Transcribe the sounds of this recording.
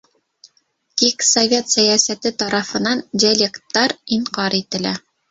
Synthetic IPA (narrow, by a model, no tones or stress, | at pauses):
kiksovʲe̞t̪sæjæsæt̪ɘt̪ɑɾɑfɤ̆nɑndʲɪalʲekt̪ːɑɾiɴqɑɾit̪ɘ̆læ̰